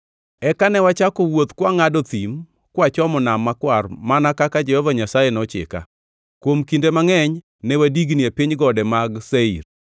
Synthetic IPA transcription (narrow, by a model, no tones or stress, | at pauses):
ɛkanɛwat͡ʃakɔwot̪kwaŋadɔt̪im | kwat͡ʃɔmɔnamːakwarmanakakad͡ʒɛhɔvaɲasajenɔt͡ʃɪ̰ka̰ | kwomkindemaŋɛɲ | nɛwadiɡniapiɲɡɔdɛmaɡseir